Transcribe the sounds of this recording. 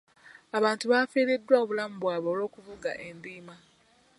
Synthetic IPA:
aβaːntuβaːfiːɾedːwaoβulamuβwaːβoːlo̞ːkuvuɡa̰ʔe̞nd̪iːma

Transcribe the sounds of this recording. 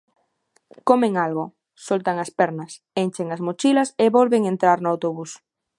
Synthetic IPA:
komẽŋalɣo | solt̪aŋaspɛɾnɐs | ent͡ʃeŋasmot͡ʃilɐseβolβeŋent̪ɾaɾnʊawt̪oβus

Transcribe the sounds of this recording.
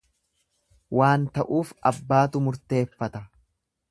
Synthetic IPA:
wʔaːnt̪ɐʔuːfɐbːaːt̪ʊmʊɾt̪e̞ːfːɐt̪ɐ

